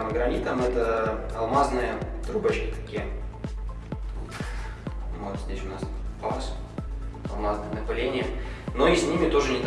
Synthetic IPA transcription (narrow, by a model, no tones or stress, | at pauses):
mɡɾɐnʲit̪əmɛt̪əɐlˠmaznɨjət̪ɾubɐt͡ɕkʲɪt̪ɐ̥kʲijə | vot̪zʲdʲesʲʊnaspas | ɐ̰lˠmaznɨjənəpalʲenʲɪjəno̞isʲnʲimʲɪt̪o̞ʐɨnʲɪt̪